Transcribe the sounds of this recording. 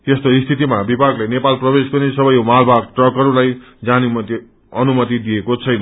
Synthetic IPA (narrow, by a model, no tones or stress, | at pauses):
t̪est̪oist̪ʰit̪imabibaɡlejnepalprʌbeskonesʌbʌjmalbaɡ̚ʈrʌkʌɾulaj | d͡zanumʌt̪i | ʌnumʌt̪id̪ijekot͡sʰʌjnʌ